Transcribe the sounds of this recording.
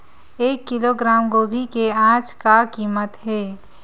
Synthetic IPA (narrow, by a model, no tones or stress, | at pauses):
eːkːɪloɡɾaːmɡoːbʱikeãːd͡ʒkakiːmət̪ɦɛː